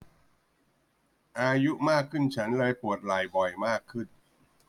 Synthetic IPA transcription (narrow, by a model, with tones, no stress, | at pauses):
ʔaː˧ju˦˥ʔmaː˥˩kʰːɯ˥˩nt͡ɕʰa˦˥nlɤː˧jpu˨˩ət̪̚la˨˩jbɔ˨˩jmaː˥˩kʰːɯ˥˩n